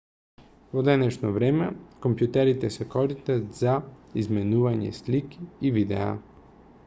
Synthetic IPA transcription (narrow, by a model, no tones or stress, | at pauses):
vod̪ɛnɛʃnovɾɛmɛkompjut̪ɛɾit̪ɛsɛkɔɾist̪at̪zaizmɛnuvaɲɛ̰slikiːvid̪ɛ̰a̰